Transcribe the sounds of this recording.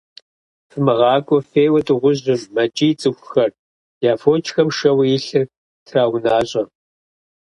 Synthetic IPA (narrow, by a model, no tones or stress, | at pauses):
fɨmɨʁɑːkʷʼɔfeːwɐtʼɨʁʷʊʑɪmːɐt͡ʃʼiːt͡sʼɨxʷxɐr | jaːfoːt͡ʃʼxɐmʃɐwijɪɬɨr | tʰraːwʊnaːɕʼɐ